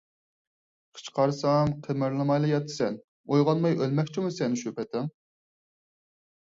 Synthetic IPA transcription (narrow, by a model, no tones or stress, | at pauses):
qʰə̥t͡ʃqɑɾsɑmqʰəmɪɾlˠɨmɑjlˠɑjɑt̪ʰːɨ̥sɛn | ojʁɑnmɑjʔølmɛkʲt͡ʃʰimusɛnɪʃypɛt̪ʰɪŋ